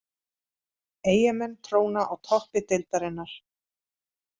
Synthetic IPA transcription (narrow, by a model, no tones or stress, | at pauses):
eːjamɛnːt̪ʰɾoːwnaʔawt̪ʰɔhpɪt̪ɪlt̪aɾɪnːaɾ̥